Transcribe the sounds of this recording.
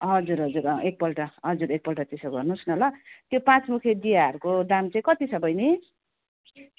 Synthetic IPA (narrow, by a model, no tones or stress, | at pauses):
ɦʌd͡zuɾɦʌd͡zuɾʌek̚pʌlʈʌɦʌd͡zuɾek̚pʌlʈat̪isʌɡʌrnusnʌlʌt̪jopãt͡smukʰjed̪ijaɦʌɾukod̪amt͡saĩkʌt̪isʌbʌjni